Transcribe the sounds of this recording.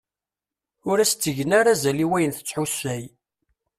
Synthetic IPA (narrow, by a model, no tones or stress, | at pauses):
ʊɾæst͡s̪ːəʝənaɾazæliwæjənθə̥t͡sːħusæj